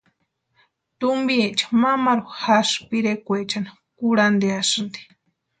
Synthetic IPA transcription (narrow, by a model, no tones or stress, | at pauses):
t̪umbiet͡ʃḁmamaɾuhaspiɾekʷet͡ʃana | kuɽand̪easɨnd̪i̥